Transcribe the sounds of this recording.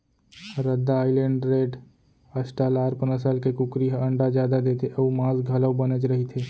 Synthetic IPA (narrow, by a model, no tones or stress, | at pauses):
ɾəd̪ːaːɪlẽːɳɖɾeːɖ | əsʈaːlaːɾpənəsalkekʊkɾiɦə̃ɳɖad͡ʒjaːd̪ad̪eːt̪ʰeʔəumãːzɡʱɐləwbənət͡ʃɾəɦit̪ʰeː